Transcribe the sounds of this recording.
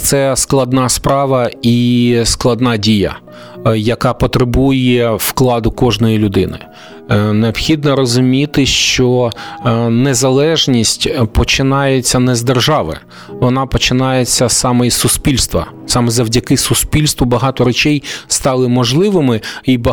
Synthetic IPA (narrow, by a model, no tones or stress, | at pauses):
t̪sɛsklˠɐd̪nɑspɾɑʋɐisklˠɐd̪nɑdʲijɐ̰ | jɐkɑpɔt̪ɾebujɛfklˠɑd̪ʊkɔʒnɔjilʲʊd̪ɪnɪ̰ | neɔpxʲid̪nɔɾɔzʊmʲit̪ɪʃt͡ʃɔ | nezɐlˠɛʒnʲisʲtʲpɔt͡ʃɪnɑjet͡sʲːɐnɛzd̪erʒɑʋɪ̰ | ʋɔnɑpɔt͡ʃɪnɑjet͡sʲːɐsɑmɔisʊspʲilʲst̪ʋɐ̰ | sɑmɛzɐwdʲɐkɪsʊspʲilʲst̪ʋɔbɐɦɑt̪ɔɾet͡ʃɛjst̪ɑlˠɪmɔʒlˠɪʋɪmɪibɐ